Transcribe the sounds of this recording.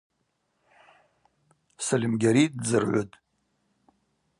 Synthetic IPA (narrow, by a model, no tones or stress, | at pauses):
salʲimɡʲaɾit̚ʼd͡zɨrʕʷʊ̰tʼ